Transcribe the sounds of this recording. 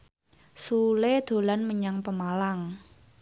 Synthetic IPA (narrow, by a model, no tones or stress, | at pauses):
suled̪̥o̤lanməɲaŋpəmalaŋ